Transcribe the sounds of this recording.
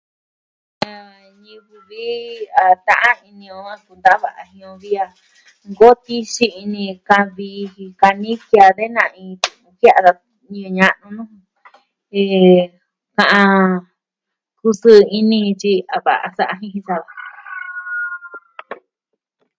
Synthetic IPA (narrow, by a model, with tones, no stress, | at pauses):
a˧ɲĩ˧βu˧βi˦a˨t̪ã˧ʔã˦i˧nĩ˧õ˧a˧ku˧nd̪a˦βa˨ʔa˧ɦĩ˧õ˧βi˧a˧ | ŋɡo˦t̪i˦ʃi˧i˧nĩ˧kã˧βi˧hĩ˧ka˧nĩ˦kja˧ðe˦nã˧ĩ˧t̪u˧ũ˧ki˦a˧ða˧ | ɲĩ˧ɲã˧ʔnũ˧nũ˦˧ | e˧ | kã˧ʔã˧ | ku˧sɨ˧i˧nĩ˧ĩ˧t͡ʃi˧a˨βa˨ʔa̰˧sa˦ʔa˧ɦĩ˧ɦĩ˧sa˧βa˨